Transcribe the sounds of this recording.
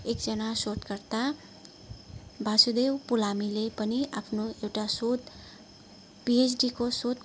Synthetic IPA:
ekd͡zʌnasoʈ̪kʌrt̪a | bʱasud̪ewpulamilepʌniʔapʰnoewʈasot̪ | piesɖikosot̪

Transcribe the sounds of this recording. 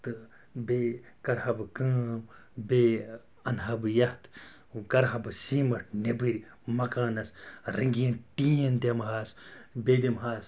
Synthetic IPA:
t̪ɨ | beː | kɐɾhɐbkɨːm | be | ɐnɦɐbɨjɐht̪ | kɐɾɦɐbɨsiːmɐʈʰnebɨɾʲ | mɐkaːnɐsɾiŋɡinʈiːɐnd̪ʲɐmɦaːsbeːd̪imɦaːs

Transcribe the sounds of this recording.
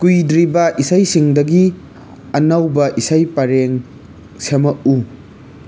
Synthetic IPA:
kujdɾibɐʔisajsiŋdɐɡi | ɐnɐwbɐʔisajpɐɾeŋ | semɐʔu

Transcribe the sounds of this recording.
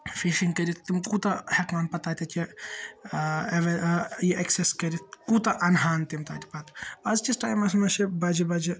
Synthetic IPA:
fiʃiŋkɐɾit̪t̪imkut̪ɐhɐkmaːnpɐt̪aːt̪ʲɐt͡ʃe | eʋɐjiʔɐkseskɐɾit̪̚kut̪ɐʔɐnɦaːnt̪imt̪a̰ːt̪i̥pɐt̪ɐzd͡ʒisʈaːjmɐsmɐʃebɐd͡ʒibɐd͡ʒi

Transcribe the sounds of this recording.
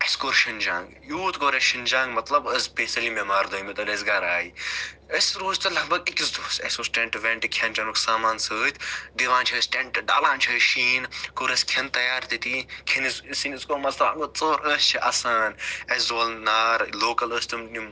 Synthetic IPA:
eskoɾʃɐnd͡ʒã̰ːŋɡjuːt̪koɾesʃind͡ʒãːŋɡmɐt̪lɐbəzpeːsɐlimemaːɾd̪oːimɐt̪ɐlesɡaːɾaːiəsɾoːzt̪ɐlɐɦbɐɡikʲisd̪uːsɐ̰susʈẽɳʈʋʲẽːɳʈikʰɐnt͡ʃɐnuksaːmaːnsəːt̪ʰd̪iʋãːnt͡ʃʰiəsʈeɳʈɖa̰ːlãːnt͡ʃʰiəʃiːnkoɾɐsʲkʰɐnt̪ɐjaːɾt̪it̪ikʰɐnɨsɨsinɨskomɐtlanot͡soːɾəːst͡ʃʰiʔɐsaːnɐszoːlnaːɾloːkɐləːsʲt̪ɨmni

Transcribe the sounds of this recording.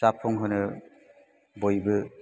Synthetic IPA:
sapʰɔŋɦɯnɯ | bojbɯ

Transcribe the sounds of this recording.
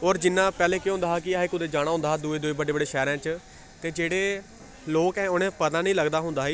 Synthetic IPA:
ɔːɾd͡ʒɪnːãːpɛːleːkeɦõnd̪aːɦaːk̬ɪaekʊd̪eːd͡ʒaːɽ̃aːɦʊ̃nd̪aːd̪ueːd̪ʊiːbəɖeːbəɖeːʃɛːɾãːt͡ʃ | t̪eːd͡ʒeːɽeː | loːkɛ̃ːʊnẽːpət̪ãːnəĩːləɡd̪aːɦʊ̃nd̪aːiː

